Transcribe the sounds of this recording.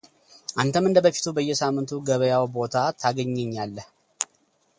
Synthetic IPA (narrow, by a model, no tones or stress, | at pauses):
ʔant̪ʰəmɨnd̪əbəfi̥t̪ʰubəjːɛsamːɨnt̪ʰuɡəβəjawbo̞t̪ʰat̪ʰaɡəɲːɛɲːalːəh